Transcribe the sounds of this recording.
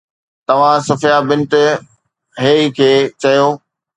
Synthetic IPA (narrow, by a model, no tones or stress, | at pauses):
t̪ɐʋ̤ãsʊfjabɪ̃nt̪ | ɦeːikʰeːt͡ɕɐjoː